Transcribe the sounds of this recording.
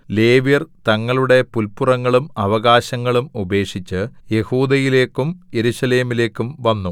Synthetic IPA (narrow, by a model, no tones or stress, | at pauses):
le̞ːʋijɐrt̪ɐŋːɐɭuɽe̞pulpurɐŋːɐɭumɐʋɐɣaːɕɐŋːɐɭumube̞ːkʂit͡ɕːɨje̞huːd̪ɐjile̞ːkːumje̞ɾuɕɐle̞ːmile̞ːkːumʋɐnːu